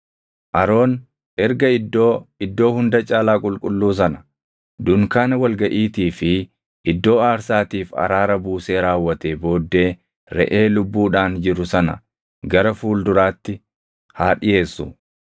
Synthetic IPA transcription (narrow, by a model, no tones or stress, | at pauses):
ʔɐɾo̞ːn | ʔɛɾɡɐɪd̪ːo̞ːɪd̪ːo̞ːhʊnd̪ɐt͡ʃʼaːlaːkʼʊlkʼʊlːuːs̬ɐnɐ̥ | d̪ʊŋkaːnɐwɐlɡɐʔiːt̪iːfɪ | ɪd̪ːo̞ːaːɾsaːt̪iːfɐ̰ɾaːɾɐbuːse̞ːɾaːwːɐt̪eːbo̞ːd̪ːe̞ː | ɾɛ̰ʔe̞ːlʊbːuːᶑaːnd͡ʒɪɾʊsɐnɐ̰ | ɡɐɾɐfuːld̪ʊɾaːt̪ːɪ | haːᶑɪje̞ːsːʊ